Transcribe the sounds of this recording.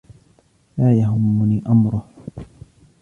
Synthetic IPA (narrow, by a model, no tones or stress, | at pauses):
laːjaɦʊmːʊniːʔamɾʊh